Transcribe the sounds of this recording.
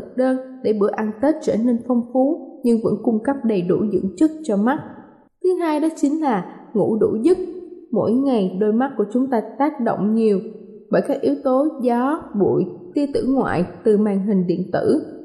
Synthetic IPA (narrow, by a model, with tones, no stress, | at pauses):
k̚ɗəː˧nɗe˧˩ɓɨ̰˧˩əkʔa˧nt̪e˦˥t̚t͡ɕəː˧˩ne˧nfə˧wŋ͡mfu˨˦ɲɨ˧ŋvə̰˧˥nkʊ˧ŋ͡mkə˦˥p̚ɗə˨˩jɗṵ˧˩zɨ̰˧˥ŋt͡ɕɨ˦˥t̚t͡ɕɔ˧ma˦˥t̚ | t̪ʰɨ˨˦ɦaː˧jɗɔ˨˦t͡ɕï˨˦ŋ̟laː˨˩ŋṵ˧˥ɗṵ˧˥zɨ˦˥t̚mo̰˧˥jŋa˨˩jɗo˧jma˦˥t̚ku˧˩ət͡ɕʊ˨˦ŋ͡mt̪aː˧t̪aː˦˥k̚ɗo̰˧˨wŋ͡mɲi˨˩əw | ɓəː˧˩jkaː˦˥k̚ʔi˨˦əwt̪o˨˦zɔ˨˦ɓṵ˧˨jt̪i˧ət̪ɨ̰˧˥ŋwa̰ː˧˨jt̪ɨ˨˩maː˨˩ŋɦï˨˩ŋ̟ɗḭ˧˨ənt̪ɨ̰˧˥